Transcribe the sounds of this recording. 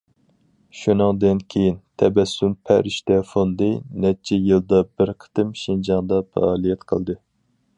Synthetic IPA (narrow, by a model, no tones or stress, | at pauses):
ʃunɨŋd̪ɨnkʲʰejint̪ʰɛbɛsːympʰæɾiʃt̪ɛfond̪ɨnɛt͡ʃʰɛjɨlˠd̪ɑbɪɾqʰə̥t̪ɨmʃind͡ʒɑŋd̪ɑfɑ̰ɑːlˠijɛt̪qʰə̰lˠd̪ɨ